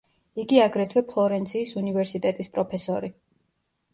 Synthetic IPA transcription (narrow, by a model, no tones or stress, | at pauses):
iɡiaɡɾɛt̪ʰvɛpʰlˠɔɾɛnt̪sʰiːsunivɛɾsit̪ʼɛt̪ʼispʼɾɔpʰɛsɔɾi